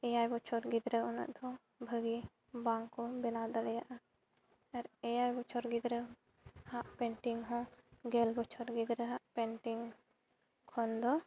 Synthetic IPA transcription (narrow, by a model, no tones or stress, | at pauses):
ɛjajbɔt͡ʃʰɔɾɡid̪ɾəɔnə̰ʔd̪ɔ | bʱəɡi | bãŋkːɔbɛnad̪aɽɛjaʔa | ɛɾɛjajbɔt͡ʃʰɔɾɡid̪ɾə | hãʔpɛɳʈiŋɡɦɔ̃ɡɛlbɔt͡ʃʰɔɾɡid̪ɾəɦãʔpɛɳʈiŋ | kʰɔnd̪ɔ